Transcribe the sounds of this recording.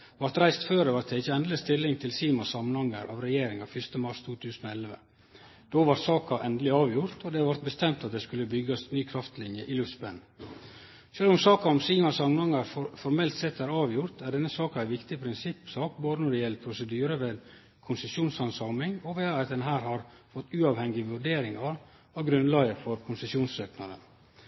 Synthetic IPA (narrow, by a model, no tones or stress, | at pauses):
ʋɑɾt̪ɾæɪst̪føːɾd̪ɛʋɑɾt̪ɛɪçːəɛnd̪ələst̪ʰɪlːɪŋt̪ʰɪlsiːmɑsɑmənhɑŋəɾʔɑ̰ʋɾɛjeːɾɪŋɑʋfʏst̪əmɑɾʂt̪ʰuːt̪ʰʉːsənɔɛlʋə̰ | d̪̥oːʋɑɾsɑːkɑʔɛnd̪əlɪɑːʋjʊɾt̪ʰɔd̪ɛɑʋɑɾt̪̚bəst̪ɛmt̪ɑt̪̚d̪ɛskʉlːəbʏɡɑsnyːkʰɾɑft̪lɪnjəʔɪlʉfsbɛn | ʃøːlɔmsɑːkɑɔmsiːmɑsɑmnɑŋəɾfɔɾmɛlt̪sɛt̪ːæɾɑːʋjʊɾt̪ʰæɖɛnːəsɑːkɑæɪʋɪkt̪ɪpʰɾɪnsɪpːsɑːkboːd̪ənɔɖɛjɛlpʰɾʊsəd̪yːɾəʋeːd̪ | kʰʊnsəsjuːnsɑnsɑːmɪŋɔʋeːɑt̪d̪ɛnɦæːɾhɑɾ | fɔt̪ːʉːɑːʋhɛŋɡɪʋʉɖeːɾɪŋɑɾ | ɑɡɾʉnlɑːɡəɾfɔɾkʰʊnsəsjuːnsøːknɑd̪ə̰n